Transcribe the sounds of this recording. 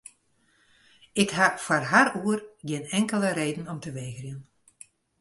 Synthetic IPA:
ɪkhafarɦaruərɡɪnɛŋkələɾeːdn̩ɔmtəʋeːɣrjən

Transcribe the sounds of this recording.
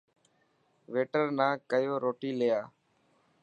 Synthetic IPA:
ʋeːʈəɾnãːkəjoːɾoːʈiːlejaː

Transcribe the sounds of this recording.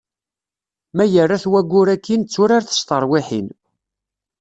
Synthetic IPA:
mæjərːaθwæɡʷːʊɾækʰːint͡sːʊɾaɾθə̥st̪əɾˤwɪħin

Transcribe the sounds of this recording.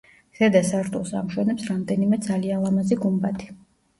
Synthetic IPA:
z̥ɛd̪asaɾt̪ʰʼulˠsa̰mʃwɛnɛpsɾamd̪ɛnimɛd̪zalialˠamaziɡumbat̪ʰi̥

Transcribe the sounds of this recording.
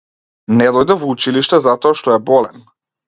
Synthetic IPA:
nɛd̪ɔjd̪ɛvɔut͡ʃiliʃt̪ɛzat̪ɔaʃt̪ɔɛbɔlɛn

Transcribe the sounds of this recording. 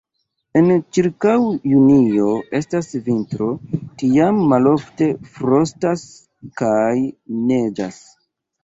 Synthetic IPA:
e̞nt͡ʃiɾkawjunio̞e̞stasvintɾo̞tiamːalo̞fte̞fɾo̞stas | kajne̞d͡ʒas

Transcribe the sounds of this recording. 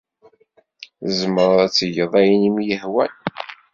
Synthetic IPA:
zəmɾˤðˤæt͡sːəjəðˤæjənimjəhwæn

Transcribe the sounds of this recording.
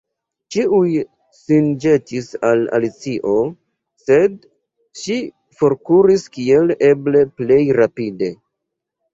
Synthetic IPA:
t͡ʃiuj | sind͡ʒe̞tisala̰lit͡siʔo̞ | se̞d̚ | ʃi | fo̞ɾkuɾiskie̞le̞ble̞ple̞jɾapide̞

